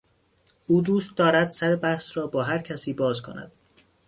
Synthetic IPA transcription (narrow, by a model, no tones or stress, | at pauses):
ʔuːd̪uːst̪̚d̪ɒːɾæd̪sæɾebæhsɾɒːbɒːɦæɾcʰæsiːbɒːzkʰo̰næ̰d̪̥